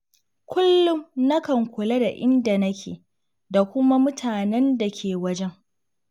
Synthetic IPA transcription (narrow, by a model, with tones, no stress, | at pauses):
kʷʊ˦lːʊ˦mnɐ˦kɐ˨ŋkʷʊ˨la˦da˨ʔɪ˦nda˨nɐ˦kʲʰḛː˨ | da˨kʷʊ˦ma˦mʊ˦tʰaː˨nɛ˦nda˨kʲʰeː˨wɐ˦d͡ʒɛ˦ŋ